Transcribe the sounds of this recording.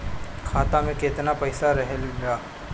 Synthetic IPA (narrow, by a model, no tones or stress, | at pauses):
kʰaːt̪amẽkeːt̪napɛːsaɾɐɦɛlɡaː